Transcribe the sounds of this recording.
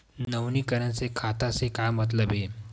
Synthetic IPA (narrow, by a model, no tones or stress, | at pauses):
nnəʋniːkəɾə̃t͡sekʰat̪asekajmət̪̬ləbʱɦe